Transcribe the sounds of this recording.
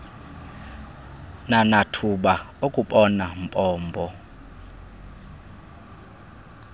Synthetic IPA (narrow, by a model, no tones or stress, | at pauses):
nanatʰuɓa | okʼuɓɔnampʼɔːmbʱɔ